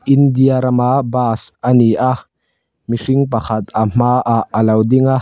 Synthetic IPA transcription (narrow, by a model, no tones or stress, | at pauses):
ind̪iaɾamabaːsaniʔa | miʂiŋpaxat̪am̥aʔaalawd̪iŋa